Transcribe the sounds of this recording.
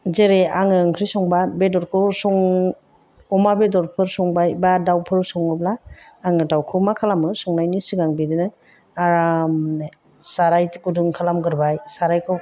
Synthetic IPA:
zeɾeaŋɯɯŋkʰɾisɔŋbabedɔɾkʰɯsɔŋ | ɔmabedɔɾpʰɯɾsɔŋbajbadawpʰɯɾsɔŋɯblaː | ŋɯdawkʰɯwmakʰalamɯsɔŋnajnisɯɡaŋbidinɯ | aɾam | saɾajtɡuduŋkʰalamɡɯɾbajsaɾajkʰɯ

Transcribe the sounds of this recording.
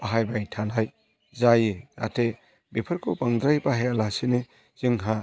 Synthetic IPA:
aɦajbajtʰanaj | zajea̰tʰe | bepʰɐɾkʰopaŋd̪ɾajbaɦealasine | z̥iŋɦa

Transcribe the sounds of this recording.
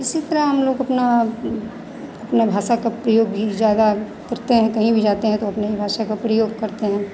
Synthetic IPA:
ɪsit̪ɐɾaɦɐmloːɡɐpna | ɐpnebʱaːʃakapɾɐjoːɡizjaːd̪a | kɐɾt̪eɦɛ̃kɐɦĩbʱid͡ʒaːt̪eɦɛ̃t̪oɐpneibʱaːʃakapɾɐjoːɡ̚kɐɾt̪eɦɛ̃ː

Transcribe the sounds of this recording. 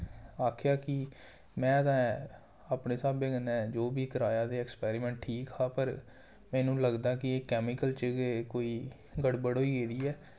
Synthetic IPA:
aːkʰjaːkɪ | mɛ̃ːət̪ãː | aːpneːsaːbẽːɡənɛ̃ːd͡ʒoːbiːkəɾaːjaːd̪eːɛkspɛːɾɪmɛ̃ːɳʈʈʰiːkɦaːpəɾ | mɛ̃ːnũːləɡd̪aːkɪeːkɛːmɪkəlt͡ʃɡekoːiː | ɡəɽbəɽɦoːiːɡeːd̪iːɛː

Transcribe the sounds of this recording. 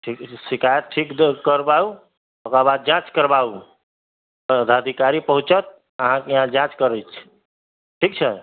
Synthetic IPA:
ʈʰiksikajət̪̚ʈʰik̪kəɾbau | okabad̪̚d͡ʒãt͡ʃkəɾbau | d̪ʱad̪ʱikaɾipəɦũt͡ʃət̪̚ | əɦãkeɦãd͡ʒãt͡ʃkəɾət͡ʃʰ | ʈʰik̚t͡ʃʰə

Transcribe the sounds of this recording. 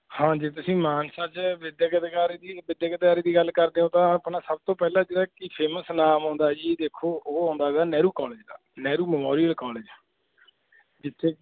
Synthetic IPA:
hãːd͡ʒeːt̪̬ʊsĩːmaːnsaːt͡ʃʋɪd̪jəkəd̪kaːɾiːd̪iːʋɪd̪jaːkəd̪kaːɾiːd̪iːɡəlkəɾd̪eːõːt̪ãːpnãːsəb̚t̪õːpɛːlãːd͡ʒeːɽaːkiːpʰeːməsnaːmɦõːnd̪aːd͡ʒiːd̪eːkʰːoːoːɦõːnd̪aːʋaːnɛːɾuːkɔːleːd͡ʒd̪a̰ːnɛːɾuːməmoːɾijəlkɔːleːd͡ʒ | d͡ʒɪt̪ʰːeː

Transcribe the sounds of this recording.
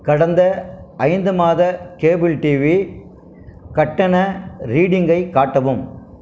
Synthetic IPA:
kɐɽɐnd̪ɐɐɪnd̪ɯmaːðɐkeːbɪlʈiʋi | kɐʈːɐnɐɾiːɽɪŋɡɐɪkːaːʈːɐʋɯm

